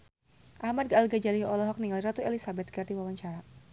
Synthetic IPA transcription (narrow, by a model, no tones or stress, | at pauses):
ʔahmad̪̚ɡalɡad͡ʒalihɔlɔɦɔk̚niŋaliɾat̪uelisabɛt̪̚ɡardiwawaɲt͡ʃaɾa